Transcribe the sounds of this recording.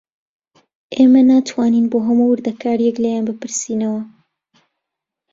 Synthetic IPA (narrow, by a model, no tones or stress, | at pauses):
ʔeːmɐnaːt̪ʰwaːniːnboːɦɐmuwɨɾd̪ɐkʰaːɾjɛklɐjaːnbɨpɨɾsiːnɐwɐ